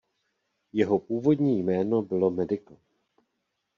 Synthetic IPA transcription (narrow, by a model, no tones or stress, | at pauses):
jɛɦo̞puːvo̞dɲiːjmɛːno̞bɪlo̞mɛdɪko